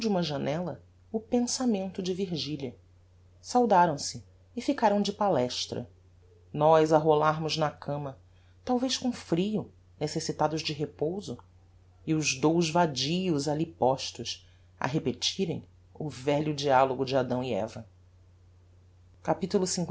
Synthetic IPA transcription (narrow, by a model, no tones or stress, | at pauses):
d͡ʒɪũmɐʒɐnɛlɐ | ʊpẽsamẽnt̪ʊd͡ʒɪviɾʒiliɐ | sawd̪aɾɐ̃w̃sɪː | fikaɾɐ̃w̃d͡ʒɪpalɛʃt̪ɾɐ̰ | nɔjzaɦolaɾmʊznɐkʰɐ̃mɐ | t̪awvejʃkõfɾijʊ | nesesit̪ad̪ʊzd͡ʒɪɦepowzʊ | iʊzd̪owzvad͡ʒiʊzalipɔʃt̪ʊʃ | ɐ̰ɦepet͡ʃiɾḛ̃j̃ | ʊvɛʎʊd͡ʒialoɡʊd͡ʒɪad̪ɐ̃w̃iɛ̰vɐ | kapit̪ulʊsĩŋk